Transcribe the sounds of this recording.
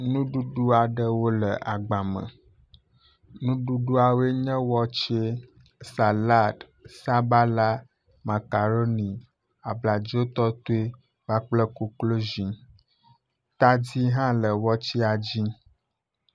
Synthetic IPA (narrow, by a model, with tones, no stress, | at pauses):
nũ˦ɖu˦ɖu˦a˨ɖə˦wo˦lə˨ʔa˨ɡ͡ba˨mə̰̃˨ | nũ˦ɖu˦ɖu˦a˨we˦ɲɛ̃˦wɔ˦t͡ʃe˦ | sa˨la˦d̪ | sa˦ba˦la˦ | ma˨ka˨ɾo˦nĩ˨ | a˨bla˨d͡ʒo˦t̪ɔ˦t̪o˦e˦ | va˦k͡plə˦ku˦klo˦zĩ˨ | t̪a˦d͡ʑi˦ɦã˦lə˨wɔ˦t͡ɕi˦a˨d͡ʑi˦